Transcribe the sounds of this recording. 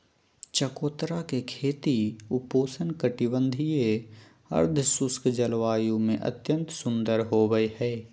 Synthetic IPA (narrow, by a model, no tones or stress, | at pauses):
t͡ʃəkoːt̪ɾakekʰeːt̪iʊpoːsənkəʈibə̃nd̪ʱije | ə̰ɾd̪ʱsʊskd͡ʒəlʋaːjũmẽʔə̰t̪jə̃nt̪sʊ̃nd̪əɾɦoːɡəehɛː